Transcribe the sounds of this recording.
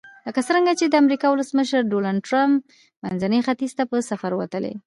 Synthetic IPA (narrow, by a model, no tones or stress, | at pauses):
ləkat͡səɾəŋɡat͡ʃed̪əamɾikɑwʊləsməʃəɾɖolaɖ̚ʈɾamp | manzanəxat̪iz̥t̪apəsafaɾwa̰t̪əlḛ